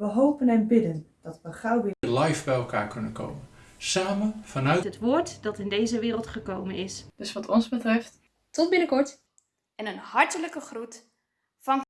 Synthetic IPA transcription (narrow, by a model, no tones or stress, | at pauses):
ʋəɦowpənɛnbɪdənd̥ɑtʋəχrawbɪlɛjvbɛjɛlˠka̰ːɹkɵnənko̰wmənsaːmənv̥ɑnœɥɦətʋoːɹtd̥ɑtɪndejzəʋɪːɾəlˠtχəkowmənɪsd̥ɵsʋɑtʰɔnzbətrɛft | tɔt̚bɪnəkɔɹt | ɛnənhɑɹtələkəχrut | fɑn